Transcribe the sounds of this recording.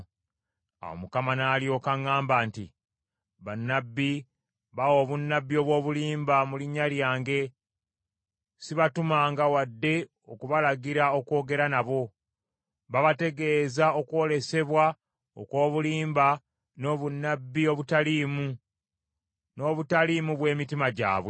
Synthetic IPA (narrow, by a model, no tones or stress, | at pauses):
a̰wo̰mukamanaːljo̞kaŋːaːmbaːntḭ | βanːabːi | βawo̞ːβunːabːio̞βwo̞ːβuliːmbamuliɲːaljaːŋɡe̞ | siβatumaːŋɡawadːe̞ | o̞kuβalaɡiɾao̞ko̞ːɡe̞ɾanaβo̞ | βaβate̞ɡe̞ːzao̞kwo̞le̞se̞βwa | o̰kwo̞ːβuliːmba | no̞βunːabːio̞βutaliːmu | no̞ːβutalimuβwe̞ːmitimaɟa̰ːβwe